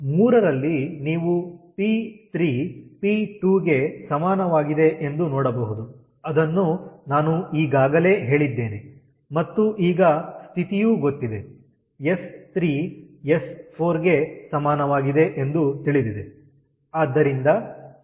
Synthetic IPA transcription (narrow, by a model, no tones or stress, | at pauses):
muːɾɐɾɐlːiniːʋupiːt̪ɾiːpiːʈuːɡe̞sɐmaːnɐʋaːɡid̪e̞ʔend̪unɔːɽɐbɐɦud̪u | ɐd̪ɐnːunaːnuiːɡaːɡɐle̞ːɦe̞ːɭid̪ːe̞ːne | mɐt̪ːuʔiːɡɐst̪ʰit̪ijuːɡot̪ːid̪e | e̞st̪ɾiː | espʰoːɾɡe̞sɐmaːnɐʋaːɡid̪e̞ʔend̪ut̪iɭid̪id̪e | aːd̪ːɐɾind̪ɐ